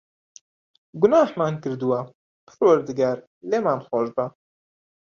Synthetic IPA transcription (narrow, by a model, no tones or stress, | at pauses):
ɡʊnaːhmaːnkɨɾd̪uwa | pɨ̥ɾwɐɾd̪ɨɡaːɾ | leːmaːnxoːʒba